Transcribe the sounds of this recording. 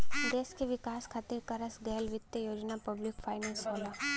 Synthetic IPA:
d̪eːskeʋɪkaːskʰaːt̪iɾkɐɾəsɡɛɦlʋɪt̪jəjoːd͡ʒnapɐblɪkfʰaːɪnəlsɦoːla

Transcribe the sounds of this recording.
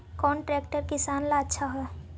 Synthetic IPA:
kɔːnʈɾɛːkʈəɾkɪsaːnlaətːʃʰaɦɛː

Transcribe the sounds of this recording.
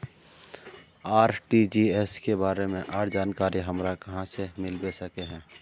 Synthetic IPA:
aːɾʈid͡ʒiɛskebaːɾemẽʔaːɾd͡ʒaːnkaːɾiɦəmɾakɐɦãsemɪlbesəkeɦɛ̃ː

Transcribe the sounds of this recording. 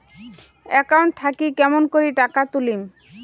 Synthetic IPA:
ɛkawɳʈ̚t̪ʰakikɛmonkoɾiʈakat̪ulim

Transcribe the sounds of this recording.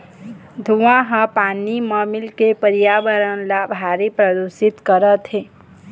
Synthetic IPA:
d̪ʱuʋãɦə̃paːnimə̃mɪlkepəɾjaːʋəɾənlabʱaːɾipɾəd̪usɪt̪kəɾət̪ɦe

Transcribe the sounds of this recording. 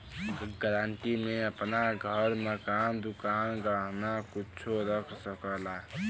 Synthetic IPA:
ɡəɾaɳʈimeəpnaɡʱəɾmekand̪ukanɡəɦnakut͡ʃʰoɾəkʰsəkəla

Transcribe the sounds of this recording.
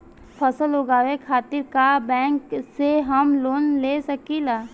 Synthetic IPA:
pʰəsəlɦoɡaːʋekʰaːt̪ɪɾkabɛ̃ːŋkseɦɐmloːnleːsɐkilaː

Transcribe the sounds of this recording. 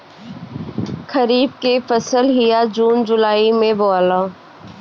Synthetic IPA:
kʰəɾiːb̚kefəsəlɦɪjad͡ʒuːnd͡ʒʊlaːimẽboːlãː

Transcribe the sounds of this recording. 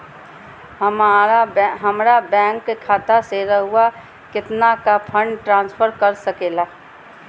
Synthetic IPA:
ɦəmaɾaɦəmɾabɛ̃ːŋkːekʰaːt̪aseɾəɦʊa | kɪt̪nakapʰə̃ɳɖʈɾãːnspʰəɾkəɾsəkeːlaː

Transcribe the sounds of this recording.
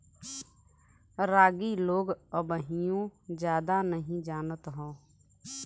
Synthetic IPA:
ɾaːɡiloːɡəbəɦijõd͡ʒjaːd̪anəɦĩd͡ʒaːnət̪ɦɔ̃ː

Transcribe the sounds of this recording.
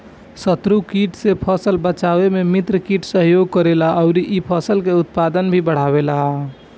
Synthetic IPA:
sət̪ɾukiʈsepʰəsəlbət͡ʃaʋememit̪ɾəkiʈsəɦjoɡkəɾelaəʊɾiʔipʰəsəlkeut̪̚pad̪ənbʱibəɽ̤abela

